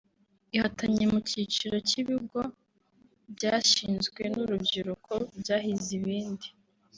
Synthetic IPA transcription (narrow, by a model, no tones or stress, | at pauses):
ihatʰaɲemucit͡ʃiɾo̞ciβiɡo | bɟaːʃiːnzɡwe̞nuɾubɟiɾukʰobɟaːɦiziβiːndi